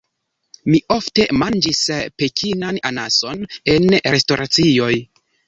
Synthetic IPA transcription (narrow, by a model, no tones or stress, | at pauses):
miʔo̞fte̞mand͡ʒispe̞kʰinananaso̞ne̞nɾe̞sto̞ɾʔat͡sio̞j